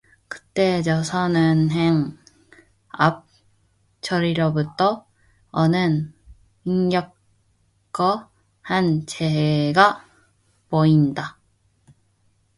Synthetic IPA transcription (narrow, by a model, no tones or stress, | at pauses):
kɯ̥t͈e̞t͡ɕʌsʰʌnɯnɦeŋ | ap̚ | t͡ɕʰʌɾiɾobutʰʌ | ʌnɯn | iŋɡjʌk̚ | k͈ʌ | hant͡ɕeɦeɡa | poinda